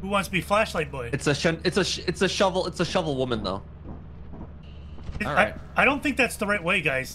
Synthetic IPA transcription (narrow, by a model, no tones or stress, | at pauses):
huwɑ̃ntstʰbiflæʃlaɪt̚b̥ɔɪɨtsɨʃʌ̃nɨtsɨʃɨtsɨʃʌvl̩ˠɪtsɨʃʌvl̩ˠwʊmə̃nðo̰ʊ | ɨaɪɪaɪɾõʊ̃nθɪ̃ŋk̚ðætsðəɹaɪt̚weɪɡaɪz̥